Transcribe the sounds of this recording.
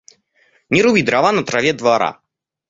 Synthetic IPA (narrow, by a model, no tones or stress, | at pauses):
nʲɪɾʊvʲid̪ɾavanɐt̪ɾavʲɛd̪vaɾa̰